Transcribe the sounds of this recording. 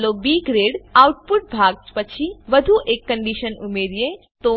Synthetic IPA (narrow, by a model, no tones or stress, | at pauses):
lobiːɡɾeːɽawʈ̚pʊʈ̚bʱaɡ̚pət͡ʃʰiʋəd̪ʱuʔekːə̃ɳɖiʃənumeɾjẽ | t̪o